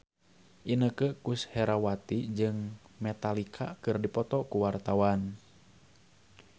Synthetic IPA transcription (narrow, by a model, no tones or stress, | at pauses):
ʔinəkəkushɛɾawat̪id͡ʒɨŋmɛt̪alikʰakɨrdipɔt̪ɔkuwart̪awan